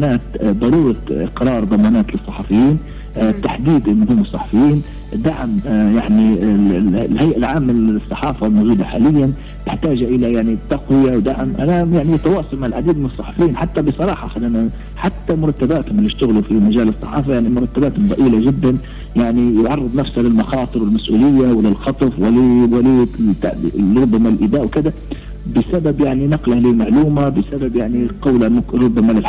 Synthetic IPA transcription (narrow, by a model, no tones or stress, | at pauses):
naːt̪d̪ˤɑɾˤuːɾˤɑɪ̰qɾˤɑːɾˤd̪ˤɑmɑːnaːt̪lɨsˤːɑħɑfɪjːiːn | t̪ːaħd̪iːd̪ʔɪnːʊɦʊmːɨsˤːɑħɑ̥fɪjːiːn | d̪aʕmjaʕni | lhajʔalʕaːmːɪnsˤːɑħɑːfalmowʒuːd̪aħaːlɪjːan | b̪ɪħt̪aːʒaʔɪlajaʕnit̪ːaqwɪjawd̪aʕmʔanajaʕnit̪ɑwɑːsˤʊlmaʕɪlʕad̪iːd̪̚mɪnɨsˤːɑħɑfɪjiːnħat̪ːabɪsˤɑɾˤɑːħɑxad̪ana | ħat̪ːamʊɾˤɑt̪ːabaːt̪hʊmɪlːiʃt̪ʊɣlufimaʒaːlɨsˤːɑ̰ħɑ̰ːfajaʕnimʊɾˤɑt̪ːabaːt̪hʊmb̪ˤɑʔiːlaʒɪd̪ːan | jaʕnijʊʕɑrˤːɨd̪ˤnæfshalɪlmɑxɑːt̪ˤɨɾwɪlmasʔuːlɪjːawlɪlxɑt̪ˤɑfwɪliwɪlit̪ːɾˤʊbːamalʔɪd̪aːʔwkɪd̪a | bɪsababjaʕninɑqlahlɪlmaʕluːmabɪsababjaʕniqɑwlamʊkɾˤʊbːamalɪlħ